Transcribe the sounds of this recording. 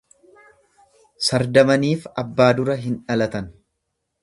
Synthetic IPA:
sɐɾd̪ɐmɐniːfɐbːaːd̪ʊɾɐɦɪnᶑɐlɐt̪ɐn

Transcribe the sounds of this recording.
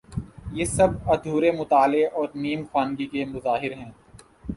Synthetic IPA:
jeːsɐbɐd̪ʱuːɾemʊt̪aːleʔɔːɾniːmxaːnɡikemʊzaːɦɪɾɦɛ̃ː

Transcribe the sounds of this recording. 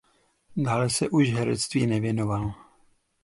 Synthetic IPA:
daːlɛsɛʔuʃɦɛɾɛ̰t͡st̪viːnɛvjɛno̞val

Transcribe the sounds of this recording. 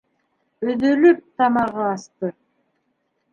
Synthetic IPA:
øðølyp̚t̪ʰɑmɑʁɯɑst̪ɯ

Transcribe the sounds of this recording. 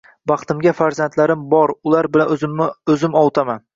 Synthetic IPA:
bɑχt̪ɪmɡʲafaɾzant̪laɾɪmbɒɾʊlaɾbɪlaɵzɪmɒwt̪ʰaman

